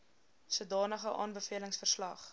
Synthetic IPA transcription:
suədɑːnəχəʔɑ̰ːnbəfiələŋsfərslɐχ

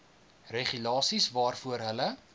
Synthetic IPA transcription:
reχylɑːsisvɑːrfuəɾɦələ

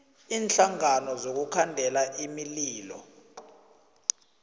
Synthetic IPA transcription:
iːnɬaŋanɔzok̬ukʰandʱɛlaʔimiliːlɔ̰

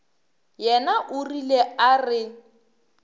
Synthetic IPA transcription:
jɛnaʔʊrilearɪ

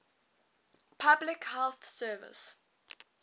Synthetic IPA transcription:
pʰablɪkhɛlθsɜːvɪ̰s

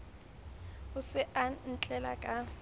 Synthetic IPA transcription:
ʊsɪʔan̩t͡ɬʼɛla̰kʼa

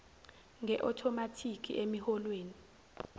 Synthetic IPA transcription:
ŋʱɛʔɔtʰɔmatʰikʰḭʔemihɔlweːni

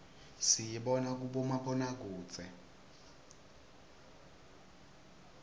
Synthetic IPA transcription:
sijiɓɔnak̬uɓɔmaɓɔnak̬uːt͡sʰʼɛ

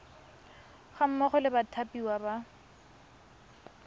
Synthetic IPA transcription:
χam̩mɔχɔlɪbatʰapiwaba

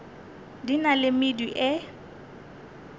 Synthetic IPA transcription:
dinalɪmɪdiʔɪ

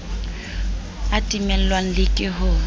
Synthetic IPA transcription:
atʼimɛl̩lwaŋ̩lɪkʼɪɦʊ

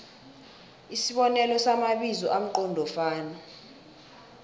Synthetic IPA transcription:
isiɓɔnɛlɔsamaɓizɔʔam̩ǃɔndʱɔfaːna

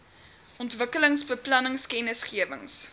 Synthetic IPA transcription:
ɔntvəkələŋsbəplɐnəŋskɛnəsχiəvə̰ŋs

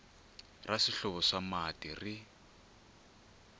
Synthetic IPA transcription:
rasiɬɔβɔʂamatiri

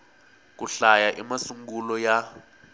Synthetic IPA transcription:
k̬uɬajaʔimasuŋɡulɔja

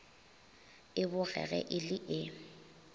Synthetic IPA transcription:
ɪbʊɣɛ̰ɣɛ̰ʔɪlɪʔɪ

